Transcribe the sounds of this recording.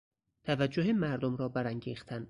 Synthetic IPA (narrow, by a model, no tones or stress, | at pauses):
t̪ʰævæd͡ʒːoɦemæɾd̪omɾɒːbæɾæŋɟiːxt̪ʰæn